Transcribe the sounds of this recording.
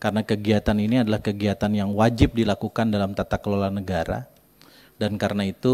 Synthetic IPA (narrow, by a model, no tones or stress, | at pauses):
kaɾənakəɡiat̪aniniadalahkəɡiat̪anjaŋwad͡ʒɪp̚dilakukandalamt̪at̪akəlolanəɡaɾa̰ | dankaɾənait̪u